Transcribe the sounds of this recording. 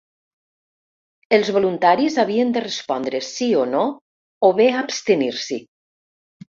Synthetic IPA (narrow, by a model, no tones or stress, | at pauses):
elˠzβolunt̪aɾizaβ̞iənd̪ərespɔnd̪ɾəsiono | oβeapst̪eniɾsi